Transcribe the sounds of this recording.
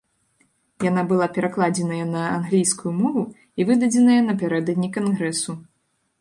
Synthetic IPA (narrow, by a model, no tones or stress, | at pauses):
janabɨlˠapʲɛɾaklˠad͡zʲɛnɐjɐnɐanɣlʲijskujumɔvu | ivɨd̪ɐd͡zʲɛnɐjɐnɐpʲaɾɛd̪ɐd̪ʲnʲikanɣɾɛsu